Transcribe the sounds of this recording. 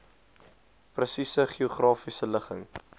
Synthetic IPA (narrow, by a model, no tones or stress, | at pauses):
prəsisəχiuχrɑːfisələχə̰ŋ